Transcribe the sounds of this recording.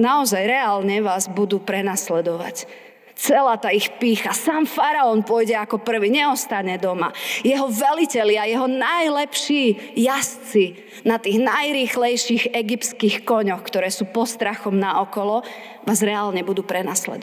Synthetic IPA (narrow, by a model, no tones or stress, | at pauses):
naɔzajɾɛaːlɲɛʋaːzbud̪uːpɾɛnaslɛd̪ɔʋa̰c | t͡sɛlaːt̪aixpiːxasaːmfaɾaɔnpʊɔjɟɛakɔpr̩ʋiɲɛɔst̪aɲɛd̪ɔmajɛɦɔʋɛlicɛlɪajɛɦɔnajlɛpʃiːjast͡si | nat̪iːɣnajɾiːxlɛjʃiɣɛɡip̪t͡skixkɔɲɔxkt̪ɔɾɛːsuːpɔst̪ɾaxɔmnaʔɔkɔlɔ | ʋaːzɾɛaːlɲɛbud̪uːpɾɛnaslɛ̰d̪ɔ